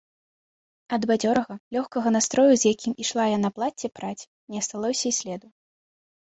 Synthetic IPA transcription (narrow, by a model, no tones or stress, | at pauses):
ɐd̪bad͡zʲɔɾɐɣɐlʲɔxkɐɣɐnast̪ɾɔjuzʲjakʲimiʂlˠajanaplˠat͡sʲːɛpɾat͡sʲ | nʲɛɐst̪alˠɔsʲɐisʲlʲɛd̪u